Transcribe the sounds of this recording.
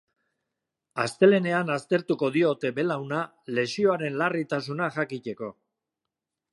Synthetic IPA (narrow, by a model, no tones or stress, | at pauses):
ast̪e̞le̞ne̞anast̪e̞ɾt̪uko̞ðio̞t̪e̞be̞lawna | le̞sio̞aɾe̞nlarit̪asunaʝakic̪e̞ko̞